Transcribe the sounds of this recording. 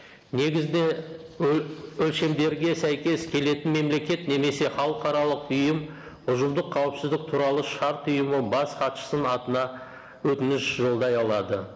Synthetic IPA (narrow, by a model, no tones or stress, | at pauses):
ne̞ɡʲɪzd̪e | ɵlʃe̞md̪e̞ɾɡʲe̞sæjkʲe̞skʲʰe̞le̞t̪ɪnme̞mle̞kʲe̞t̪ne̞me̞se̞χɑlˠəqɑɾɑlˠəqʊjəm | ʊʒəmd̪əqʰːɑwəpsɪzd̪ɪk̚t̪ʰuɾɑlˠəʃɑɾt̪ʊjəməbɑsqʰɑt̪ʃə̥sənɑt̪ənɑ | wɵt̪ɪnɪʃʒo̞lˠd̪ɑjɑlˠɑd̪ə